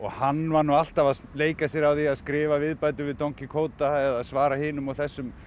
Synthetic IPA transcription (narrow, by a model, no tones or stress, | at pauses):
ɔɣhanːvanual̥t̪avaðleːjkasjɛɾawθiaðskɾɪːvavɪðpaːjt̪̬ʏvɪðt̪owŋcɪkʰoːwt̪aɛðaðsvaːɾahɪːnʏmawθɛsːʏm